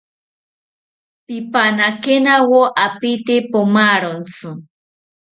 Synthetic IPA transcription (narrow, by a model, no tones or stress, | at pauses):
pipanakenawoʔapit̪ipomaɾont͡su